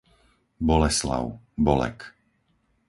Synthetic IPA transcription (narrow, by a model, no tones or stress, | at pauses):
bɔlɛsla̰ʊ | bɔlɛ̰k